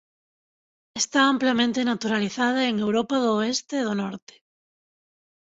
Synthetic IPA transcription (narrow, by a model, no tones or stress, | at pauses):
est̪aamplamẽnt̪enat̪uɾaliθað̞ɐeŋewɾɔpɐðʊest̪eðʊnɔɾt̪ɪ̥